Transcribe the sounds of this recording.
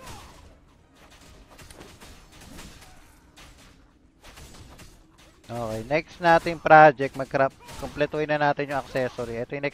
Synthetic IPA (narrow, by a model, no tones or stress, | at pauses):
ʔoːkɛjnɛksnaːt̪ɪŋpɾaːd͡ʒɛk̚t̪̚mɐɡ̚kɐɾɐpkomplɛt̪ohɪnɐnaːt̪ɪnjʊŋɐksɛsoɾiʔɛt̪ojnɛ